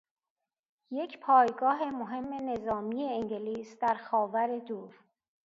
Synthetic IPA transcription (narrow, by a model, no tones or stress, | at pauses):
je̞cʰpʰɒːjɡɒːɦe̞moɦe̞mːe̞ne̞zɒːmiːjeeŋɟeliːsd̪æɾxɒːvæɾe̞d̪uːɾ